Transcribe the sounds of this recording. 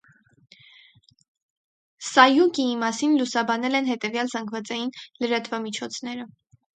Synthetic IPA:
sɑjukiimɑsinlusɑbɑnɛlɛnɦɛt̪ɛvjɑlzɑŋɡvɑt͡sɑjinləɾɑt̪vɑmit͡ʃʰɔt͡sʰnɛɾə

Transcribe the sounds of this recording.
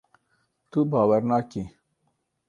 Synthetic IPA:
t̪ubɑːwəɾnɑːki

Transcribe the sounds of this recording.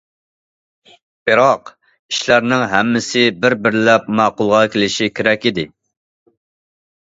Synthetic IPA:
b̥ɨɾɑq | iʃlæɾnɪŋɦɛmːɪsɪbɪɾbɪɾlɛp̚mɑːqʊlˠʁɑkʲʰelɪʃikʲʰeɾɛkʲid̪ɪ

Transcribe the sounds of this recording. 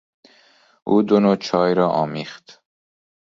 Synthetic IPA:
uːd̪onot͡ʃʰɑːjɾɑːʔɑːmixt̪

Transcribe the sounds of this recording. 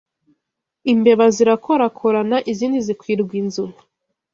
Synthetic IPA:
imbe̞βaziɾakʰo̞ɾakʰoɾanaʔiziːndizikwiːɾɡwinzumu

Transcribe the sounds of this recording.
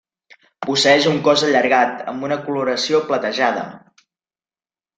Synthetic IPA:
pusəɛʃuŋkɔzəʎəɾɣat̪ə̰mbunəkuluɾəsioplət̪əʒað̞ə̰

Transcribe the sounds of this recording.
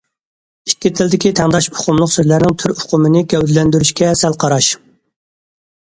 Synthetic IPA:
ikʲːit̪ʰɪld̪ɪkʲit̪ʰɛŋd̪ɑʃbʊ̥qʰʊmlˠʊqsøzlæɾnɪŋt̪ʰyɾʊqʰʊmɨnɪɡʲɛwd̪ɪlɛnd̪yɾyʃkʲɛsælˠqʰɑɾɑʃ

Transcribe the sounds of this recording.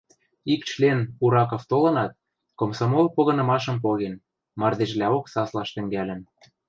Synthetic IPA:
ikt͡ɕlenuɾɑkoft̪olɤ̆nɑt̪̚ | komsomolpoɣɤ̆nɤ̆mɑʃɤ̆mpoɣen | mɑrd̪eʃ̬lʲæoksɑslɑʃt̪ɘ̆ŋɡælʲɘ̆n

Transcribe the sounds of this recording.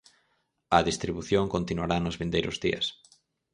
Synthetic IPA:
ɐðist̪ɾiβuθjoŋkont̪inuaɾanʊzβĩnd̪ejɾʊzðiɐ̰s

